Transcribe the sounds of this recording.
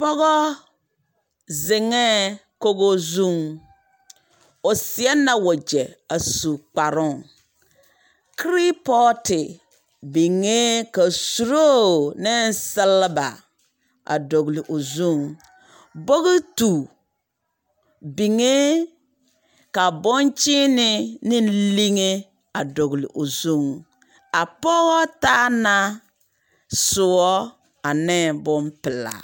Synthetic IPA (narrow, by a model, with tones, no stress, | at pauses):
pɔ˦ɣɔ˦ | zɪ˨ŋɛ˦ | ko˦ɡo˦zu˦˨ŋ | o˨sɪ˨ɛ˦nːa˦wɔ˨d͡ʒɛ˨a˨su˨k͡pa˨ɾʊ˦˨ŋ | kɾi˦pɔ˦tɪ˨ | bi˨ŋe˦ka˨su˨ɾo˦nɪ˦sɪ˦lːba̰˨ | a̰˨do˨ɡli˨ʔo˨zu˦˨ŋ | bo˦ɣi˦tu˨ | bi˨ŋe˦ | ka˨bɔ˦nt͡ʃi˦nɪ˦nɪ˦nli˦ŋe˦ | a˨do˨ɡlɪ̰˨ʔo˨zu˦˨ŋ | a˨pɔ˦ɣɔ˦ta˦na˦ | sʊ˨wɔ˦ | a˨nɛ˦˨bʊ˦mpɪ˨la̰˨